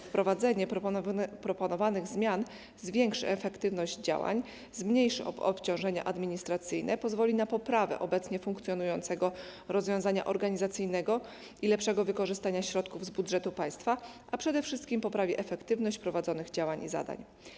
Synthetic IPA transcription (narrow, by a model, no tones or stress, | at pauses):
fpɾɔvad̪zɛɲɛ | pɾɔpɔnɔvanɘɣzmʲjan | zvʲjɛŋkʂɘɛfɛkt̪ɘvnɔʑd͡ʑd͡ʑa̰wa̰ɲ | zmɲejʂɘɔ̰ɔ̰pt͡ɕɔ̃w̃ʐɛɲa̰ʔad̪mʲiɲist̪ɾat̪sɘjnʔɛpɔzvɔlʲinapɔpɾavɛ̰ʔɔbɛt̪sɲɛfuŋkt̪sʲjɔnujɔnt̪sɛɡɔɾɔzvʲjɔ̃w̃zaɲa̰ʔɔɾɡaɲizat̪sɘjnɛɡɔ | ilɛpʂɛɡɔvɘkɔʐɘst̪aɲaɕɾɔt̪kuvzbud̪ʐɛt̪upaj̃st̪faʔapʂɛd̪ɛfʂɘst̪kʲimpɔpɾavʲiʔɛfɛkt̪ɘvnɔɕt͡ɕpɾɔvad̪zɔnɘɣd͡ʑawaɲḭza̰d̪a̰ɲ